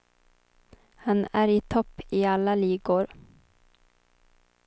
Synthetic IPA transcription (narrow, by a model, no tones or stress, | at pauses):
hanæɾɪt̪ʰɔpːɪalːaliːɡʊɾ